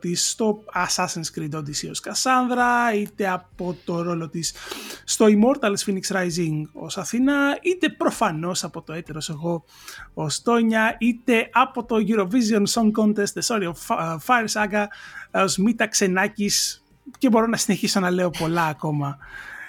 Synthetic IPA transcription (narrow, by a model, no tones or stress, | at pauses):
t̪ist̪o̞ɐsɐsenskɾid̪od̪isio̞skɐsɐnðɾɐit̪e̞ɐpo̞t̪o̞ɾo̞lo̞t̪isːt̪o̞imo̞ɾt̪ɐlsfiniksɾɐjziŋɡo̞̰sɐθinɐit̪e̞pɾo̞fɐno̞sɐpo̞t̪o̞e̞t̪eɾo̞se̞ɣo̞ | ost̪o̞ɲɐit̪e̞ʔɐpo̞t̪o̞ʝuɾo̞vizio̞nso̞ŋkont̪e̞st̪eso̞ɾiofɐjɾsɐɡɐozmit̪ɐkse̞nɐcis | ce̞bo̞ɾo̞nɐsine̞çiso̞nɐle̞o̞po̞lɐːko̞mɐ